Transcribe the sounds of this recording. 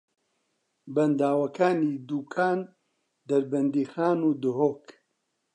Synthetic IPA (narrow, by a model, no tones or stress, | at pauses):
bɐnd̪aːwɐkʰaːniːd̪uːkʰaːn | d̪ɐɾbɐnd̪iːxaːnuːd̪ɨɦoːk